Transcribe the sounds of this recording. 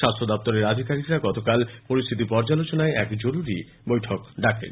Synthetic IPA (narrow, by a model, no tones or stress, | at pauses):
ʃast̪ʰɾod̪ɔp̚t̪oɾeɾad̪ʱikaɾikɾaɡɔt̪okalpoɾist̪ʰit̪̬ipɔɾd͡ʑalot͡ɕonaeʔɛkd͡ʑoɾuɾi | bojʈʰokɖakḛɾ